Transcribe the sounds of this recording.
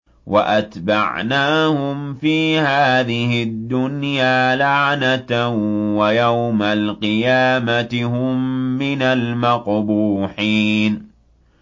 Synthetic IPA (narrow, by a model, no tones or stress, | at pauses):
wa̰ʔat̪ba̰ʕnaːhʊmfiːhaːðɪhɪd̪ːʊnjaːlaʕnat̪awajawmalqɨjaːmat̪ɪɦʊmːɪnalmaqbuːħiːn